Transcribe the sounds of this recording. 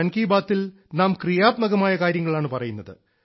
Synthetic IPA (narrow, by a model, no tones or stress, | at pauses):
ɐnkiːbaːt̪ːil | naːmkrijaːt̪mɐɣɐmaːjɐkaːɾjɐŋːɐɭaːɳɨpɐrɐjunːɐðɨ̰